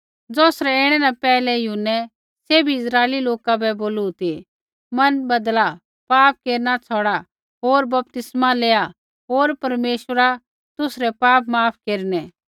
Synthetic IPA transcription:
d͡zɔːsɾɛɪɽ̃ɛnapɛːlɛjʊɦʊnːɛ | sebʱiɪsɾaːeliloːkabɛboːlut̪i | mɐnbɐd̪la | paːp̚keːɾnat͡sʰɔɽa | ɦoːɾbɐp̚t̪ɪsmaleːa | ɦoːɾpɐɾmeːʃəɾa | t̪ʊsɾɛpaːpmaːpʰkeːɾnɛ

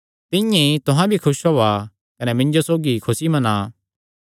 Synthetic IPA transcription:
t̪ɪ̃jẽit̪ʊɦãbʱikʰʊsɦoːa | kɐnɛmɪ̃ɲd͡ʒosoːɡikʰʊsimɐnaː

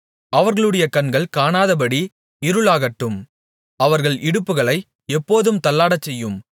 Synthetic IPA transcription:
ɐʋɐɾɣɐɭɯɽɐjɐkɐnɡɐɭkaːɳaːðɐpɐɽi | ɪɾɯɭaːɣɐʈːɯm | ɐʋɐɾɣɐɭʔɪɽɯpːɯɣɐɭɐɪ | ɛpːoːðɯmt̪ɐlːaːɽɐt͡ʃːɛjːɯm

